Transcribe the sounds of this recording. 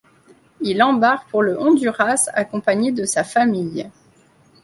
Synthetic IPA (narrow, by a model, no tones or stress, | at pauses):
ilɑ̃baʁpuʁləʔɔ̃d̪yʁasa̰kɔ̃paɲed̪əsafamij